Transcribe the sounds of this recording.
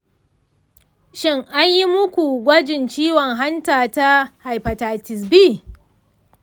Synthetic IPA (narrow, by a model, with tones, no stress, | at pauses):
ʃɪ˦ŋʔa˦ɲji˦mʊ˦kʷu˨ɡʷɐ˦d͡ʒɪ˨nt͡ʃiː˦wɔ˨ŋɦa˦ntaː˨ta˦ha˨jɸɐ˨taː˨tɪ˨s̬biː˦